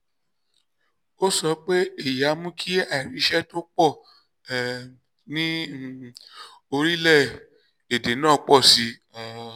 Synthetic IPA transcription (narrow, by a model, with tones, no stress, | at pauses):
o˦sɔ˧k͡pe˦i˦˨ja˨˦mũ˦kʰi˦a˦˨i˨ɾĩ˨˧˦ʃɛ˦to˦k͡pɔ˦˨ | nĩ˦ | o˧ɾi˦lɛ˦˨ | e˨de˨˦nãː˦˨˧k͡pɔ˦˨si˧˦˨